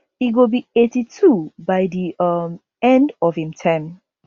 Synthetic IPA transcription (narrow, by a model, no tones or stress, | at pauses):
hiɡobietitʰubaɪdiʌm | ɛ̃ndɔfĩmtʰɛ̃m